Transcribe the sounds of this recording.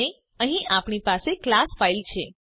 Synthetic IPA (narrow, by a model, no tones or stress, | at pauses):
e | əɦĩapɳ̃ipaseklasfailt͡ʃʰe